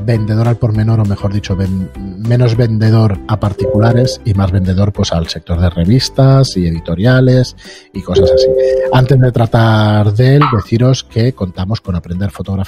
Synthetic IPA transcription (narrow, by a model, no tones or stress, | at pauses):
be̞nd̪e̞ð̞o̞ɾalpo̞ɾmẽ̞no̞ɾo̞me̞xo̞ɾðit͡ʃo̞βenmẽ̞no̞zβe̞nd̪e̞ð̞o̞ɾapaɾt̪ikulaɾe̞simazβe̞nd̪e̞ðo̞ɾpwe̞salse̞k̚t̪o̞ɾð̞e̞re̞β̞ist̪asie̞ðit̪o̞ɾjale̞s | iko̞sasasiant̪e̞zðe̞t̪ɾat̪aɾðe̞ld̪e̞θiɾo̞ske̞ko̞nt̪amo̞sko̞napɾend̪eɾfo̞t̪o̞ɣ̞ɾaf